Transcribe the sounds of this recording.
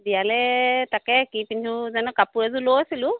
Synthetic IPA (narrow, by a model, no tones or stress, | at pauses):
dijalɛtakɛkipintʰuzanɔkapuɹɛzulowasilʊ